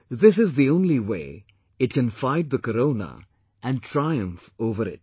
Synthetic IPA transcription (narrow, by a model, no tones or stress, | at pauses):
ðɪs̬ɪzðiõʊ̃nliweː | ɪʈ̚kə̃nfaɪd̚ðəkəɾõʊnə̰ | æ̃nʈʰɾaɪə̃ɱfoːvəɾɪ̰t̚